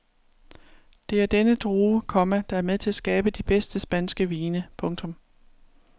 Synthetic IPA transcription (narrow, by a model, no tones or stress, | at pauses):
d̥e̝æɐd̥enəd̥ʁuːkʰɒ̽mæd̥ɑ̈æɐmeðˠt͡sʰe̝lsɡ̥ɛːb̥əd̥ib̥esd̥əsb̥ænsɡ̥əʋiːnəpʰɔ̽ŋt͡sʰɔ̽m